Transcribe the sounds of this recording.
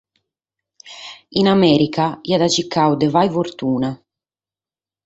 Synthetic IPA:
inamɛːɾikaiad̪at͡ʃikːawd̪ɛvajfoɾt̪uːna

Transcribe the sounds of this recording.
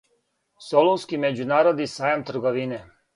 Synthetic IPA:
solowskimed͡ʑunaːɾod̪nisaːjamt̪r̩ɡoʋine

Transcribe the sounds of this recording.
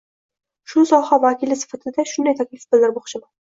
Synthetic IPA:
ʃʊsɒhavakʲʰilɪsɪ̥fat̪ʰɪd̪aʃʊnd̪ajt̪ʰakʲlɪfbɪld̪ɪɾboχʃɪma

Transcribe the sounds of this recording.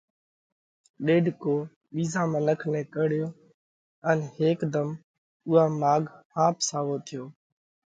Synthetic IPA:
ɗeːɖʱkoː | ɓiːzãːmə̃nəkʰnẽːkəɽɪjoː | ənheːkd̪əm | ʊaːmaːɡhãːpsaːʋoːt̪ʰɪjoː

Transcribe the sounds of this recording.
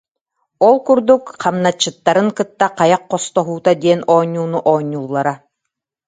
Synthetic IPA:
ɔlˠkuɾd̪ukqamnat͡ɕːɯt̪ːaɾɯŋkɯt̪ːaqajaqːɔst̪ɔɦuːt̪ad̪iɛnɔːɲːuːnuʔɔːɲːuːlˠːaɾa

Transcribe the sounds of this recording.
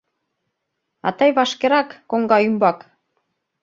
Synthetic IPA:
ɑ̰t̪ɑjβɑʃkeɾɑkːoŋɡɑymbɑk

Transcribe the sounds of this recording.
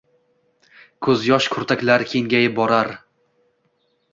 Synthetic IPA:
kʰɵzjɒʃkʰʊɾt̪ʰakʲlaɾkʲʰeŋɡʲajɪbɒɾaɾ

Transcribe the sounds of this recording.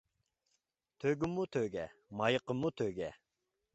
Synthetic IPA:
t̪ʰøɡymːut̪ʰøɡʲɛmɑjəqəmːut̪ʰøɡʲɛ

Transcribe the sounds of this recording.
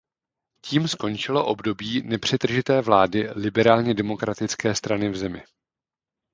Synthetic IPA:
ciːmsko̞nt͡ʃɪlo̞ʔo̞bdo̞biːnɛpr̝̥ɛt̪r̩ʒɪt̪ɛːvlaːdɪlɪbɛɾaːlɲɛdɛmo̞kɾat̪ɪt͡skɛːst̪ɾanɪvzɛmɪ

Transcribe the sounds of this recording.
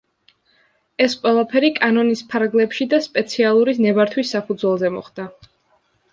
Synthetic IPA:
ɛsqʼwɛlˠapʰɛɾikʼanɔnispʰaɾɡlɛpʃid̪aspʼɛt̪sʰialˠuɾisnɛbaɾt̪ʰwisːapʰud̪zwɛlˠzɛmɔ̰χd̪̥a

